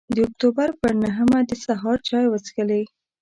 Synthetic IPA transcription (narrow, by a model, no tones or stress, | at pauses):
d̪əʊk̚t̪obaɾpəɾnaɦəmad̪əsaɦɑɾt͡ʃɑjwət͡sɡəlej